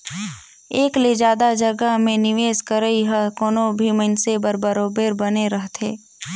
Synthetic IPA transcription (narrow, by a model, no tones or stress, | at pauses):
eːkled͡ʒjaːd̪ad͡ʒɐɡamẽnɪʋeːskəɾəiɦəkoːnõbʱimənsebəɾbəɾoːbeːɾbɐneɾəɦt̪ʰeː